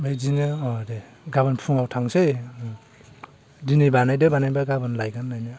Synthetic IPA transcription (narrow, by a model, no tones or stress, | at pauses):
mejzinɯɔde | ɡabɯnpʰuŋawtʰaŋsej | dinibanajdɯbanajbaɡabɯnlajɡanːajnɯ